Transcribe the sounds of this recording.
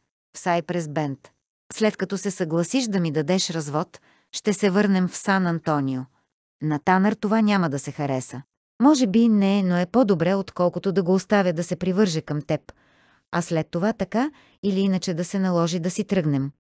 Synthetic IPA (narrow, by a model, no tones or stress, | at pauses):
fsajpɾɛzbɛnt̪ | slɛt̪kɐt̪ɔsɛsɐɡlˠɐsiʃd̪ɐmid̪ɐd̪ɛʃɾɐzvɔt̪ | ʃt̪ɛsɛvɤɾnɛmfsanɐnt̪ɔnio | nɐt̪anəɾt̪ovanʲaməd̪ɐsɛxɐɾɛsə | mɔʒɛbinɛnoɛpɔd̪obɾɛot̪kɔlˠkʊt̪od̪ɐɡoːst̪avʲjəd̪ɐsɛpɾivɤɾʒɛkɐmt̪ɛp | ɐslɛt̪ːovat̪ɐka | iliinət͡ʃɛd̪ɐsɛnɐlˠɔʒid̪ɐsit̪ɾɤɡnɛm